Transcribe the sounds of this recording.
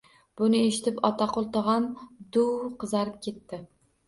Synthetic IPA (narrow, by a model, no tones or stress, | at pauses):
b̥ʊnɪeʃɪt̪ɪpɒt̪ʰaqʰolˠt̪ʰoʁɑnd̪ʊwqʰɨzaɾɪp̚kʲʰe̞t̪ːɪ